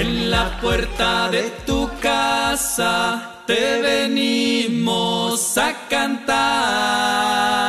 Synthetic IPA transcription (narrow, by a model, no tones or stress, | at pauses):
enlapweɾt̪aðet̪ukasa | t̪eβenimosakant̪a